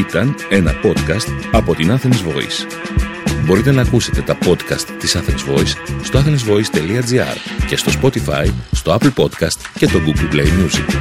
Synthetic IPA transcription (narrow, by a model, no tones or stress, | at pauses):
it̪ɐne̞nɐpo̞t̪kɐst̪ɐpo̞t̪inɐθe̞nezvo̞̰ḭs | bo̞ɾit̪e̞nɐːkuse̞t̪e̞t̪ɐpo̞t̪kɐst̪ːisɐθekzvo̞isːt̪oɐθenezvo̞ist̪e̞liɐd͡ziɐ̰ɾce̞st̪o̞spo̞t̪ifɐ̰jst̪o̞ɐpl̩po̞t̪kɐst̪ce̞st̪o̞ɡuɡlplejmjuzḭk